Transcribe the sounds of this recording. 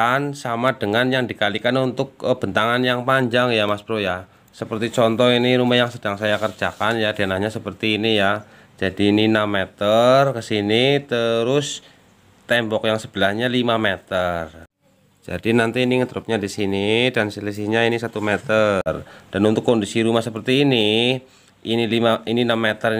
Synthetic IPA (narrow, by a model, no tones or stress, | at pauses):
ansamadəŋanjaŋdikalikanunt̪ʊk̚b̥ənt̪aŋanjaŋpaɲd͡ʒaŋjamasbəɾoja | səpərt̪it͡ʃɔnt̪ɔhiniɾumajaŋsədaŋsajakərd͡ʒakanjadianahɲasəpərt̪iːnija | d͡ʒ̥adiːninamet̪ərkəsinit̪əɾʊs | t̪ɛmbɔkjaŋsəb̥əlahɲalimamet̪ər | d͡ʒa̰dinant̪iːniŋət̪ɾup̚ɲadisinidansəlis̬iɲainisat̪umɛt̪ərd̥anunt̪ʊkːondisiɾumahsəpərt̪iːni | ʔinilimaininamːet̪ər